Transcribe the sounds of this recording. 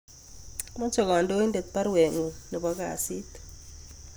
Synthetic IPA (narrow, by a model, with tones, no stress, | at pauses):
mɔ˦t͡ʃɔ˨kɔ˨ndo˦i˦nde˨t̚pa˦ɾwe˨ŋu˨nɔ˨ba˦ka˨si˦t